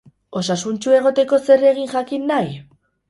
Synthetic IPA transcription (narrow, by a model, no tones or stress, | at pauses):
o̞sasunt͡ʃue̞ɣ̞o̞t̪e̞ko̞se̞re̞ɣ̞iŋʝakinːaj